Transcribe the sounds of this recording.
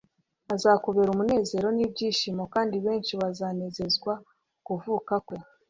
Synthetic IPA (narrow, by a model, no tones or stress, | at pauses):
azako̞βe̞ɾumune̞ːze̞ɾo̞nibɟiːʃimo̞kaːndiβe̞ːnʃiβazane̞ze̞zɡwa | kuvuːkakwo̞